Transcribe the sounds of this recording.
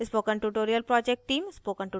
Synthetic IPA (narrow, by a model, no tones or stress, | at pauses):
spoːkə̃nʈuʈoːɾijəlpɾɔːd͡ʒek̚ʈʈːiːmspoːkɐ̃ɳʈu